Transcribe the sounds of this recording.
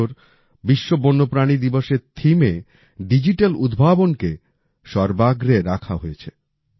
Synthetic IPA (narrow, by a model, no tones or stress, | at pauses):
oɾ | biʃːobonːopɾanid̪iboʃeɾt̪ʰime | ɖid͡ʑiʈelud̪bʱabonke | ʃɔɾbaɡɾeɾakʰaɦojet͡ɕʰe